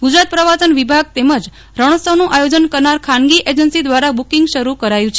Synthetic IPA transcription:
ɡud͡ʒɾat̪̚pɾəʋasənʋibʱaɡ̚t̪eməd͡ʒ | ɾəɽ̃əsəʋnũʔajod͡ʒənkəɾnaɾkʰanɡiʔed͡ʒənsid̪ʋaɾabukiŋɡʃəɾukəɾajũt͡ʃʰe

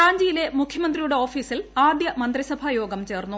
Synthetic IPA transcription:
aːɲd͡ʑiːjile̞mukʰjɐmɐnd̪rijuɽe̞o̞ːfiːsilaːd̪jɐmɐnd̪risɐbʱɐjo̞ːɡɐmt͡ɕe̞ːrnːu

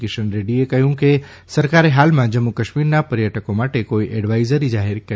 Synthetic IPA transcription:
keʃənɾeɖiekəɦjũke | səɾkaɾeɦaːlmãd͡ʒəmːukəʃmiɾnapəɾjəʈəkõmaʈekoiʔeɖʋaizəɾizaɦɪɾkə

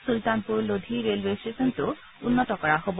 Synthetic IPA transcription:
sult̪anpuɾlod̪ʱiɾelwesʈesɔnt̪u | unːɔt̪ɔkɔɹaɦob

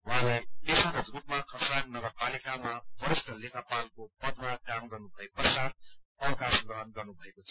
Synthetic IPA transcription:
wɦãlekesãɾod̪rup̚makʰʌsaknʌɡʌrpalikamabʌɾisʈʌlekapalkopʌd̪ʱmakamɡʌrnubʱʌepʌsaɾʌwkasɡɾʌɦʌnɡʌrnubʱʌekot͡sʰʌ̥

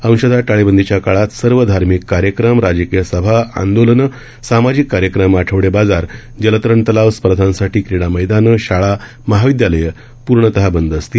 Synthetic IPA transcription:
ə̃w̃ɕəd̪ʱaʈaɭebənd̪ʱit͡ɕjakaɭat̪səɾʋəd̪ʱaɾmikːaɾjəkɾəmɾad͡ʑəkijəsəbʱaa̰nd̪olən | samad͡ʑikːaɾjəkɾəmaʈʰəʋɽebad͡zaɾ | d͡ʑələt̪ɾəɳt̪əlaʋspəɾd̪ʱãnsaʈʰiːkɾiɽ̃aməjd̪anəɕaɭa | məɦaʋid̪jaləjə | puɾɳət̪əɦabənd̪əst̪i

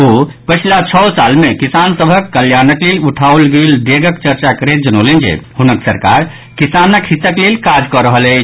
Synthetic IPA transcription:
opət͡ʃʰilat͡ʃʰɔsalmekisansəbʱəkːəljanəkleluʈʰaolɡeld̪eɡəkt͡ʃəɾt͡ʃakəɾet̪̚d͡ʒənolend͡ʒḛhunəksəɾkaɾ | kisanəkɦit̪ːəklelkad͡ʒkɔɾəɦəlɛ

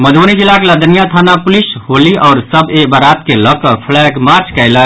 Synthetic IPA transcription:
məd̪ʱonid͡ʒilːakeləd̪ənijat̪ʰanapʊlishoːliʔɔːɾsəbebəɾaːt̪kelɔkəpʰlɛɡmaɾt͡ʃkəɪlə

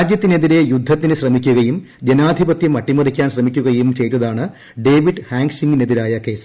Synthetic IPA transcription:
aːd͡ʑjɐt̪ːine̞ðiɾe̞jud̪ʱːɐt̪ːinɨɕrɐmikʲːuɣɐjum | d͡ʑenaːd̪ʱibɐt̪jɐmɐʈːimɐrikʲːaːnɕrɐmikʲːuɣɐjumt͡ɕe̞jt̪ːɐðaːɳɨ | ɖe̞ːʋiɖhaːŋɡʂiŋɡineðilaːjɐke̞ːs

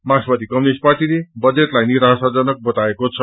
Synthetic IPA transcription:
maspʌt̪ikʌmnisʈ̚parʈilebʌd͡zet̪lajniɾasad͡zʌnʌk̚bʌt̪aekot͡sʰʌ

